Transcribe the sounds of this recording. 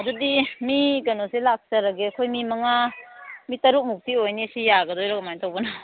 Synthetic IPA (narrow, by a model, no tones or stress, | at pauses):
ɐdudimiɡɐnoselak̚sɐɾɐɡeɐkʰojmimɐŋamitɐɾuk̚muk̚pʰiojnisijaɡɐdɔjɾɔɡamajntʰawbɐna